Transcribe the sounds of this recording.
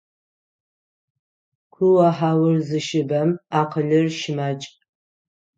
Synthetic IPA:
kʷʰʊwaħaːwɨrzɨʃɪbɐmaːqʰəɮɨrʃɪmat͡ʃʼ

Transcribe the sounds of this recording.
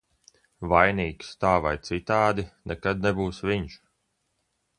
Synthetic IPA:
vajniːkst̪aːvajt̪sit̪aːd̪inɛkad̪̚nɛbuːsviɲʃ

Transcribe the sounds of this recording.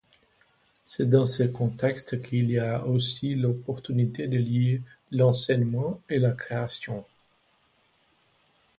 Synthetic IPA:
sɛd̪ɑ̃səkɔ̃t̪ɛkst̪kʰiliaosilɔpɔʁt̪ynit̪ed̪əljelɑ̃sɛɲmɑ̃elakχeasjɔ̃

